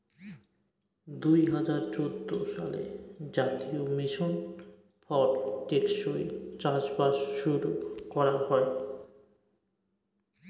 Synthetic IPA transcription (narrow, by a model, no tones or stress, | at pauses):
d̪ujɦad͡ʑaɾt͡ɕod̪ʱːoʃa̰lḛd͡ʑat̪iomiʃon | pʰɔɾʈekʃoit͡ɕad͡ʑbaʃʃuɾukɔɾahɔe